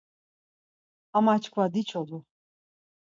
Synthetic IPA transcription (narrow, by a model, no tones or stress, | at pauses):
amat͡ʃkʰvad̪it͡ʃʰɔd̪u